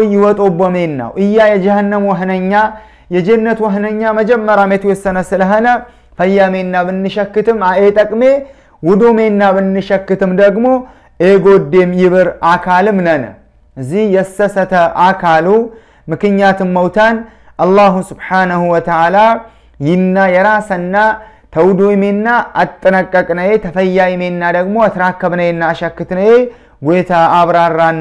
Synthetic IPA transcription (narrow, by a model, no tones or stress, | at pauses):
ɪwɔt̪ʼobəme̞nːa̰wʔɨjːajɛd͡ʒəhənːɨmwəɦnəɲːa | jɛd͡ʒenːət̪wəɦnəɲːaməd͡ʒɛmːəɾamet̪ujɛsːənəsɨləɦənə | fəjːamenːabɨnːɨʃəkːɨt̪ʰɨmaet̪ʼəkʼme̞ | wʊd̪ome̞nːabɨnːɨʃəkːɨt̪ɨmd̪əɡmo̞ | ʔeɡo̞d̪ːemjɪβɨɾakʰalɨmnənə̰ | ʔɨzːihjɛsːəsət̪ʰəʔakʰalu | mɨkɨɲːat̪ʰɨmːəwt̪ʰan | ʔalːaɦusubħanəhuwɔt̪əʕala | jɪnːajɛɾasənːat̪ʰəwd̪ojme̞nːaʔat̪ʼːɨnəkʼːəkʼnəjet̪ʰəfəjːajme̞nːad̪əɡmo̞at̪ɾakːəβnəwjenːaːʃɐkːɨt̪nəje | ɡojt̪ʰaːβɾaranː